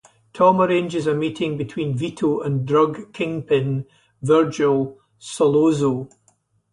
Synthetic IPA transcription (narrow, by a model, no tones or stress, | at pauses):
tʰɔməɹẽnd͡ʒɪzəmiʔɪ̃ŋbɪtʰw̥ĩnviʔʰoʔə̃ndɹʌɡkʰɪ̃ŋpʰɪ̃n | vɜ˞d͡ʒəlˠ | səlˠozo